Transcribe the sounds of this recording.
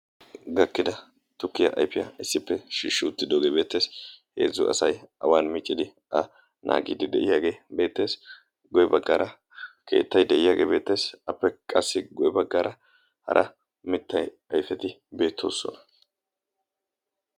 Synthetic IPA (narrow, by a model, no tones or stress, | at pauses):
ɡɐkːɪd̪ɐ | t̪ʊkːɪjɐ̰ʔɐ̰jfɪjɐ̰ɪsːɪpːɛʃiːʃːɪʊt̪ːɪd̪oːɡe̞be̞ːt̪ːeːshe̞̰ːzːʊʔɐ̰sɐjɐwaːnmiːt͡ʃʼːɪd̪ɪ | ʔɐ | nʔa̰ːɡḭːd̪ɪd̪ɛʔɪjaːɡe̞ːbe̞ːt̪ːe̞ːs | ɡɔjɛbɐɡːɐɾʔɐ | kʰe̞̰ːt̪ːɐjd̪ɛʔɪjaːɡe̞ːbe̞ːt̪ːeːsɐpːɛkʼɐsːɪɡɔjɛbɐɡːɐɾʔɐ | hɐ̰ɾʔɐ̰ | mɪt̪ʰːɐj | ɐjfɛt̪ɪbe̞ːt̪ʰːo̞̰ːsːɔ̰nɐ̥